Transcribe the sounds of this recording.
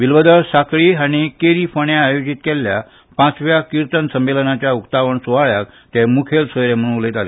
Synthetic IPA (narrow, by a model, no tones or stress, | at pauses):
ʋilʋəd̪əɭsakɭiːañikeɾifəɳjaːjod͡ʑit̪kelja | pãt͡sʋjakiɾt̪ənsəmːelənat͡ɕjaukt̪aʋəɳsuʋaɭjak̚ | t̪emukʰelsəjɾem̤əɽ̃uʋlet̪alḛ